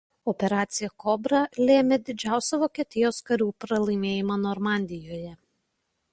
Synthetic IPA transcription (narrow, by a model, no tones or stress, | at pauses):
ɔpʲɛɾɑːt̪sʲɪjɛkɔbɾɐlʲeːmʲed̪ʲɪd͡ʒʲæˑʊsʲɛʋoːkʲiɛt̪ʲɪjoːskɐɾʲuːpɾɐlˠɐɪmʲeːjɪmɐnɔɾmɑˑnʲd̪ʲɪjoːjɛ